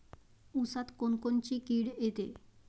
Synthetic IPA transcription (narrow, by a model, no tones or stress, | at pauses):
usat̪konkont͡ɕikiɽet̪e